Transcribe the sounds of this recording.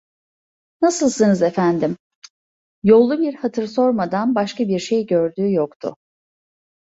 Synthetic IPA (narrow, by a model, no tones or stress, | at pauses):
nasɯlˠsɯnɯze̞fænd̪im | jo̞lˠːubiɾhat̪ʰɯɾso̞ɾmad̪anbaʃkabiɾʃe̞jɟø̞ɾd̪yːjokt̪ʰʊ̰